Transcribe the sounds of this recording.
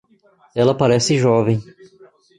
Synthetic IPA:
ɛlɐpaɾɛsɪʒɔvẽj̃

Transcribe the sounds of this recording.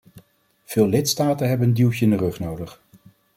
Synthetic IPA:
v̥ɪːlˠɪtstaːtənɦɛbəndilˠtəɪndərɵχnowdəχ

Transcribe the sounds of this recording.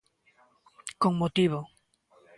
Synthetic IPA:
koŋmot̪iβo

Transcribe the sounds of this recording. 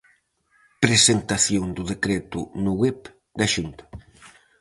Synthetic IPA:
pɾezent̪aθjond̪uðekɾet̪unuɣwɛp | d̪aʃunt̪

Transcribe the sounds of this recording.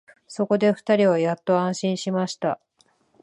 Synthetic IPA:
so̞ko̞d̪e̞ɸɯ̟̥t̪aɾʲiβajat̪ːo̞ãɰ̃ɕĩɰ̃ɕimaɕi̥t̪a

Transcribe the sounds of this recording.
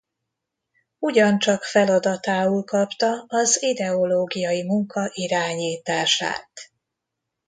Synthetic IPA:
uɟɒnt͡ʃɒkfɛlɒd̪ɒt̪aːulkɒpt̪ɒɒzid̪ɛo̞loːɡijɒjimuŋkɒʔiɾaːɲiːt̪aːʃa̰ːt̪

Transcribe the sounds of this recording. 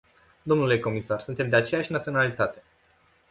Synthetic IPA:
d̪o̞mnule̞ko̞misarsunt̪e̞md̪e̞at͡ʃe̞jaʃʲnat̪sio̞nalit̪at̪e̞

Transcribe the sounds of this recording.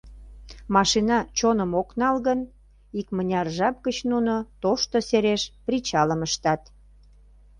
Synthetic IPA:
mɑʃinɑt͡ɕonəmoknɑlɣən | ikmənʲɑrʒɑp̚kət͡ɕnunot̪oʃt̪oseɾeʃpɾit͡ɕɑləməʃt̪ɑt̪

